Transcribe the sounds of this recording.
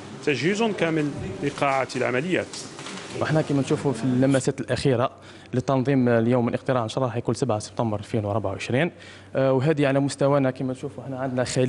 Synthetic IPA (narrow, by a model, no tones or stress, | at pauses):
t̪æʒhizʊnkæməlliqɑʕat̪lʕa̰mæləjːæ̰t̪ʔəħnækæmænʃufufilːæmæsæt̪əlʔæxiɾa | lət̪ːɑnd̪ˤimljumːəlʔəq̚t̪əɾɑʕnʃɾˤɑħjkunsæbʕasə̥b̚t̪ɑmbəɾlfinwɑɾˤbʕawʕəʃɾin | wɦæd̪iʕalæmʊst̪æwænækæmænʃufuəħnæʕənd̪næxæl